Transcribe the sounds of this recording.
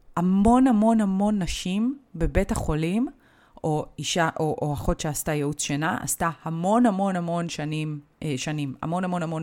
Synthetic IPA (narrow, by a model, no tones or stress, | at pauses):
hamo̞nhamo̞nhamo̞nːaʃimbe̞be̞thaχo̞lim | oiʃaʔoʔoaχo̞tʃeastajeut͡sʃenaʔa̰stahamo̞nhamo̞nhamo̞nʃanim | ʃanimha̰mo̞nhamonhamo̞n